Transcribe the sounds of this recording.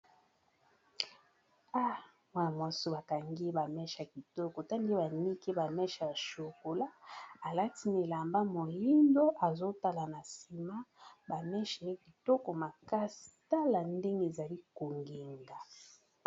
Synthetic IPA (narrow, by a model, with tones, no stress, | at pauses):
a˦ | mwa˨mwa˨so˨ba˨ka˨ŋɡe˦ba˨mɛ˦ʃa˨k̚i˨tɔ˦ko˨ta˦nde˦ba˨ni˦ke˦ba˨mɛ˦ʃa˨ja˨ʃo˨ko˨la˦a˨la˦ti˦ne˨la˨mba˦mo˨li˦ndo˦ʔa˨zo˦ta˦la˨na˨si˨ma˦ba˨mɛ˦ʃi˨e˦ki˨tɔ˦ko˨ma˨ka˦si̥˨ta˦la˨nde˦ŋɡe˦e˨za˨li˦ko˨ŋɡe˨ŋɡa˨